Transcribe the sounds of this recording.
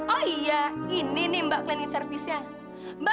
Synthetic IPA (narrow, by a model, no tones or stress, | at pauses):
ɔijaininimbaʔklɛnisərfisja | mba